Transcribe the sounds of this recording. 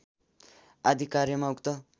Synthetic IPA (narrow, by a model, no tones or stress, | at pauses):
ad̪ʱikaɾjʌmaukt̪ʌ